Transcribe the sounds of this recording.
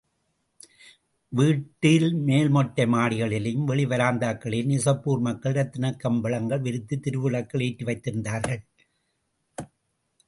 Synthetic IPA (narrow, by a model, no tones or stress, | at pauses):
ʋiːʈːɪlmeːlmɔʈːɐmaːɽɪɣɐɭɪlɪmʋɛɭɪʋɐɾaːnd̪aːkːɐɭɪlnɪsɐpːuːɾmɐkːɐɭɾɐt̪ːɪnɐkːɐmbɐɭɐŋɡɐɭʋɪɾɯt̪ːɯt̪ɪɾɯʋɯɭɐkːɐɭeːʈːɯʋɐɪt̪ːɪɾɯnd̪aːɾɣɐɭ